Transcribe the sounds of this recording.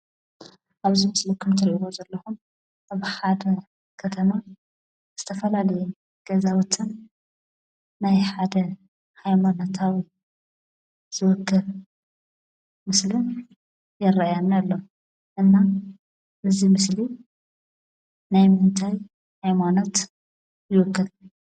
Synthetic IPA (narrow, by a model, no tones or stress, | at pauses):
ʔaβzimɨslikʰɨmt̪ʰɨɾʔiwozɐlːɐxun | ʔaβħad̪ɐ | kʰɐt̪ʰɐma | z̥ɨt̪ʰɐfɐlalɐjɛ | ɡ̥ɐzawʊt̪ʼːɨn | najħad̪ɐ | hajmanot̪ʰawi | z̥ɨwɨkːɨl | mɨslɨn | jɛrajanalːo | ʔɨnːa | ʔɨzimɨsli | najmɨnt̪ʰaj | hajmanot̪ | jɪwɨkːɨl